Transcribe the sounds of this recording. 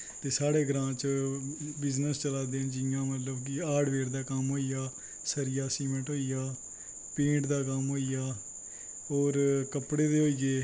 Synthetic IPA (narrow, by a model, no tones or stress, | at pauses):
t̪eːsaːɽeːɡɾãːt͡ʃ | bɪznəst͡ʃəlaːd̪eːnd͡ʒɪjãːmət̪ləbkɪaːɖʋeːɾd̪aːkəmɦoːijaː | səɾɪjaːsiːmə̃ɳʈɦoːijaː | pẽːɳʈd̪aːkəmɦoːijaː | oːɾkəpɽeːd̪eːɦoːiːɡeː